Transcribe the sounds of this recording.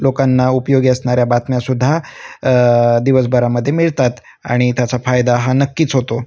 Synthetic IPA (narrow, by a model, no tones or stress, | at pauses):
lokanːaupjoɡiəsɳaɾjabat̪mjasud̪ʱːa | d̪iʋəsbəɾaməd̪ʱːjemiɭt̪at̪ | a̰ɽ̃it̪jat͡safajd̪aɦanəkːiːt͡sɦot̪o